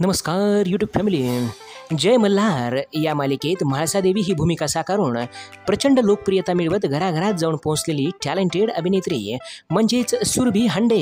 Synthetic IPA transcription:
nəməskaɾjuʈjuːbfæmiliː | d͡ʑəjməlːaɾjamaliket̪m̤aɭsad̪eʋiːɦiːbʱumikasakaɾuːɳ | pɾət͡ɕəɳɖəlok̚pɾijət̪amiɭʋət̪ɡʱəɾaɡʱəɾat̪̚d͡zaʋuɳpõw̃t͡sleliːʈæleɳʈeɽəbʱinet̪ɾḭːm̤əɳd͡ʑet͡ssuɾbʱiːɦəɳɖe

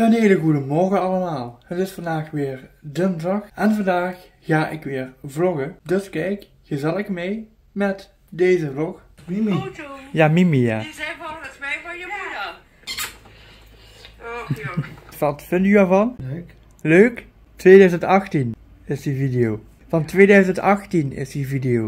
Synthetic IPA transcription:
ənɦeːləɣudəmɔrɣəɑlˠəmaːlˠhətɪsfɑndaːxʋɪːɹdəndɑxʔɛnvɑndaːxː | aːʔɪkʋɪːɹvlɔɣədɵskɛjkːəzɛləxmej | mɛt | dejzəvlɔx | jaːmimijaː | fɑtfɪndtyɛːɹvɑn | løːk | tʋeːdœɥzəntɑxtin | ɪsdividijow | vɑntʋeːdœɥzəntɑxtinɪ̰sdividiow

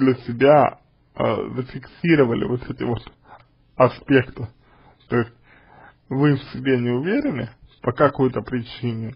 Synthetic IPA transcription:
dlʲəsʲɪbʲa | ə̰zəfʲɪksʲiɾəvəlʲʔɪ̰vot̪ɛtʲɪvo̞t̪ | ɐspʲe̞kt̪ɨ | t̪o̞ɪsʲt̚ʲ | vɨfsʲɪɡbʲenʲɪʊvʲeɾʲɪnɨ̰pəkɐkojt̪əpɾʲɪt͡ɕinʲɪ

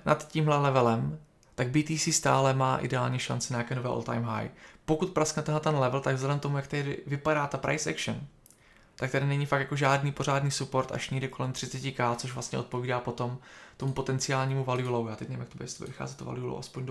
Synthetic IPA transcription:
nʔat̪ciːmɦlɛlɛvɛlɛm | t̪aɡ̚biːt̪iːsiːst̪a̰ːlɛmaːʔɪ̰dɛaːlɲɛʃa̰nt͡sɪɲajaːkɛːnovɛːʔolt̪a̰jmɦa̰jpo̞kut̪̚pɾasknɛt̪ɛɦlɛt̪ɛnlɛvl̩t̪aɡvzlɛdɛmt̪o̞mujakt̪adɪɪ̰vɪpadaːt̪apɾa̰jsɛ̰kʃən | t̪ak̚t̪adɪnɛɲifak̪jakoʒaːdniːpo̞r̝aːdniːsupo̞ɾt̪ʔa̰ʃɲɛɡdɛko̞lɛmt̪r̥ɪt͡sɛcɪkaːtt͡so̞ʃvlast̪ɲɛ̰o̞t̪̚po̞viːdaːpo̞t̪o̞mt̪o̞mupo̞t̪ɛnt͡sɪaːlɲiːmuvalɪulowjaːt̪ɛc̚nɛvɪmjakt̪objɛst̪obɛ̰vɪxa̰ːzɛt̪ːova̰lɪulo̰wʔa̰spoɲd

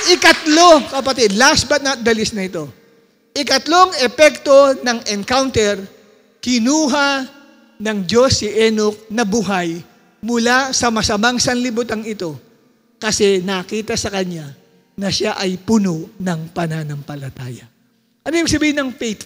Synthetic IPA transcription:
ʔɪkɐt̪lo̞kɐpɐt̪id̪lasbɐt̪̚nɐt̪̚d̪ɐlɪsnɐɪt̪o̞ | ʔɪkɐt̪lo̞ŋɛpɛk̚t̪o̞nɐŋɛnkawnt̪ɛɹ | kɪnuːɦɐ | nɐŋd͡ʒo̞sːɪʔɛnok̚nɐbuɦaj | mʊlasɐmɐsɐmaŋsɐnlɪbut̪aŋɪt̪o̞ | kɐsɛnɐkiːt̪ɐsɐkɐɲa | nɐʃaʔɐjpʊnoʔnɐŋpɐnanɐŋpɐlɐt̪aːjɐ | ʔɐnojbiɡsɐbiːhɪnɐŋfejt̪

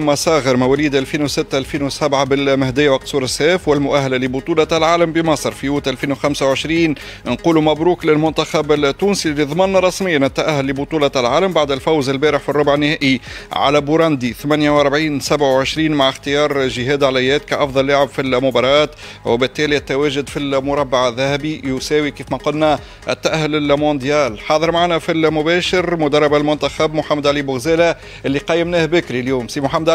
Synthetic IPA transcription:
mɑsˤɑːɣəɾmæwæliːd̪ʔælfiːnwsɪt̪ːaʔælfiːnwsabʕabɪlmæhd̪ɪjːawɑq̚suːɾɪsːɛːfwɪlmʊʔæɦːælælibʊt̪ˤuːlɑlʕaːlambimɑsˤɾfijuːt̪ʔælfiːnwxamsawʕəʃɾiːn | nquːlumæbɾuːklɪlmʊnt̪axabɪlt̪ːuːnsilːiðˤɑmɑnːæɾˤːɑsmɪjːanɪt̪ːæʔæhːʊlːibʊt̪ˤuːlɑlʕaːlambaʕd̪ɪlfawzɪlbæːɾəħfirˤːʊbʕɪnːɪhæːʔiʕa̰læbuɾˤɑnd̪iθmænjawʔɑɾˤbʕiːnsabʕawʕɪʃɾiːnmaʕɪxt̪ɪjɑːɾˤʒɪɦɛːd̪ʕalæjːɛːt̪kæʔɑfðˤɑlːaʕabfilmʊbɑɾˤɑːt̪ | wɪbɪt̪ːɛːliɪt̪ːæwæːʒʊd̪filmʊɾˤɑbːaʕðːæhæbijʊsɛːwikiːfmæqʊlnæ | ʔɪ̰t̪ːæʔæhːʊlɪlmõnd̪jæːlħɑːðˤəɾˤmaʕaːnæfilmʊbɛːʃɪɾmʊd̪ɑrˤːɑbalmʊnt̪æxabmʊħamːæd̪ʕaliːbʊɣzæːlæ | ʔɪlːiqɑjːɪmnæːhbɪkɾiljuːmsimʊħamːæd̪

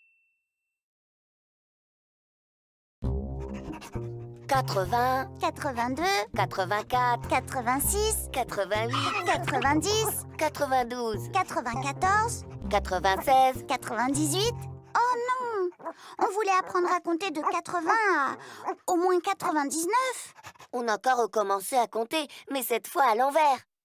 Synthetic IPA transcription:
kat̪χəvɛ̃kat̪χəvɛ̃d̪økat̪χəvɛ̃kat̪kat̪χəvɛ̃siskat̪χəvɛ̃ikat̪χəvɛ̃d̪is | kat̪χəvɛ̃d̪uzkat̪χəvɛ̃kat̪ɔʁzkat̪χəvɛ̃sɛzkat̪χəvɛ̃d̪izɥit̪ɔnɔ̃ | ɔ̃vulɛapχɑ̃d̪ʁakɔ̃t̪ed̪əkat̪χəvɛ̃aomwɛ̃kat̪χəvɛ̃d̪iznœfɔ̃nɑ̃kɔʁːəkɔmɑ̃seakɔ̃t̪emɛsɛt̪fwaːlɑ̃vɛːʁ

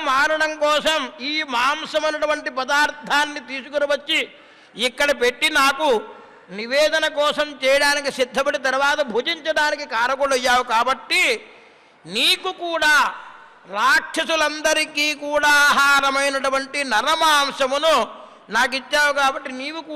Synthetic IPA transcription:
maːnɐɽɐmkɔːsɐmiːmaːmʃɐmɐnɐʈuʋɐɳʈipɐd̪aːɾt̪ʰaːnːit̪iːsukɐnɐʋɐt͡ʃːiː | kːɐɽɐp̬e̞ʈːinaːku | niʋɛːd̪ɐnɐkɔːsɐmt͡ʃɛːjɐɽaːnikisid̪ʱːɐbɐʈit̪ɐɾʋaːt̪ɐbʱuːd͡ʒiɲt͡ʃɐɽaːnikikaːɾɐkɔɽɐjːaːwukaːbɐʈːi | niːkukuːɽaː | ɾaːkʂɐsulɐnd̪ɐɾikiːkuːɽaːɦaːɾɐmɐjnɐʈuʋɐɳʈinɐɾɐmaːmʂɐmunu | naːk̬it͡ʃːaːwukaːbɐʈːiniːʋukː

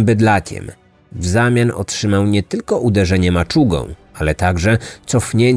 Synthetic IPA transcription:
bɘd̪lakʲʰɛ̰m | vzamʲjanɔ̰tʂɘmawɲɛt̪ɘlkɔʔud̪ɛʐɛɲɛmat͡ʂuɡɔ̰̃w̃alɛt̪aɡʐɛt̪sɔfɲɛɲ

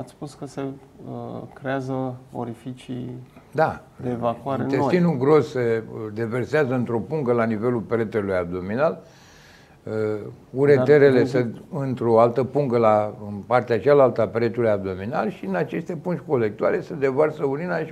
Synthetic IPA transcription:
at̪sʲspuskəse | kɾeazəo̰ɾifit͡ʃid̪a | d̪evakuaɾed̪est̪inuɡɾo̞sːed̪e̞ve̞rseazəɨnt̪ɾo̞puŋɡəlanive̞lulpeɾet̪elujab̚d̪o̞minal | uɾeeɾe̞le̞seɨnt̪ɾo̞alt̪əpuŋɡəlaɨnpart̪eat͡ʃalalt̪apeɾet̪ulujab̚d̪o̞mina̰lʃinat͡ʃe̞st̪e̞punt͡ʃko̞le̞k̚t̪uale̞sed̪e̞varsəulinai

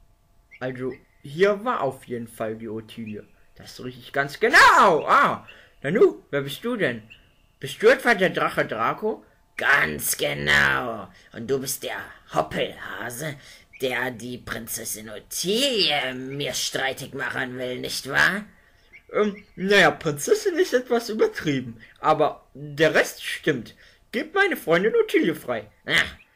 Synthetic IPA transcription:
ʔalzo | hiːɐvaːɐʔaʊfjeːdn̩faldiːotʰiːljə | d̥asʁɪçtɪçɡ̥ant͡sɡ̥ənaʊʔaː | nanuːveːɐbɪst̚d̥uːdɛn | b̥ɪstd̥uːɛtv̥aːdeːɐdʁaχədʁaːko | ɡ̥ant͡sɡ̥əna̰ʊ | ʔʊnt̚d̥uːbɪst̚d̥eːɐhɔpʰl̩ha̰ːzəd̥eːɐdiːpʁ̥ɪnt͡sɛsɪnotʰiljəmiːɐʃtʁ̥aɪtɪçmaχənvɪlnɪçtv̥a̰ːɐ | ʔɛmnajapʁ̥ɪnt͡sɛsɪnɪstʔɛtv̥asʔyːbɐtʁ̥iːbm̩ʔaːbɐdeːɐʁɛstʃtɪmt | ɡ̥eːpmaɪnəfʁ̥ɔʏndɪnotʰiːljəfʁ̥aɪ | ʔaχ

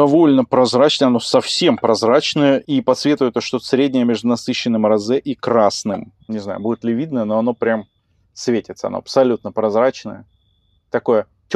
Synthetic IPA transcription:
ɐvo̞lʲnəpɾɐzɾat͡ɕnəjɐno̞sɐfsʲe̞mpɾɐzɾat͡ɕnəjəʔipɐt̪svʲet̪vəjɪt̪əʂt̪osɾʲedʲnʲɪjəmʲeʐd̪ʊnɐsɨɕːɪnːɨmrɐzɛʔikɾasnɨm | nʲɪzna̰jʊ̰budʲɪt̪lʲɪvʲid̪nəjəno̞ɐno̞pɾʲam | svʲetʲɪt̪səɐ̰no̰ɐpsɐlʲut̪nəpɾɐzɾat͡ɕnəjə | t̪ɐko̞jə | tʲ

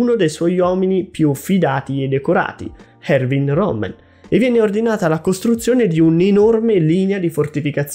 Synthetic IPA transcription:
unod̪ejswɔjwɔːminipjufid̪aːt̪ied̪ːekoɾa̰ːt̪ḭ | hɛrvinrɔ̰mːɛ̰n | evːjɛːneord̪inaːt̪alakost̪ɾut̪sːjoːned̪iunenormeliːnead̪ifort̪ifikat̪s

